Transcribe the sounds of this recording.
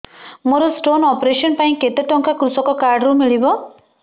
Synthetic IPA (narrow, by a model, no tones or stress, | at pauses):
moɾɔsʈonɔpɾesɔnpaĩket̪eʈɔŋkakɾusɔkɔkaɾɖɾumiɭibɔ